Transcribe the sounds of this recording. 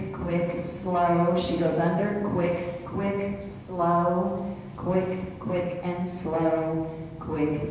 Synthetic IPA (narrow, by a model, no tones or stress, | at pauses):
kʰw̥ɪksloʊʃiɡoʊzʌ̃ndə˞kʰw̥ɪkʰw̥ɪksloʊ | kʰw̥ɪkʰw̥ɪkɨ̃nsloʊ̃ | kʰw̥ɪk